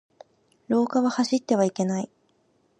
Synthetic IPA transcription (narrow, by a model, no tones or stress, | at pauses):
ɾo̞ːkaβahaɕit̪ːe̞β̞aike̞nai